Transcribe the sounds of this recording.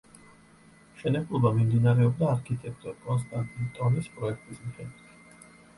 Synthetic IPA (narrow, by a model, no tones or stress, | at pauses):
ʃɛnɛblˠɔbamimd̪inaɾɛɔb̚d̪aːɾkʰit̪ʼɛk̚ʰt̪ʼɔɾkʼɔnst̪ʼant̪ʼint̪ʼɔnispʼɾɔɛk̚ʰt̪ʼismiχɛd̪ɛt̪ʰ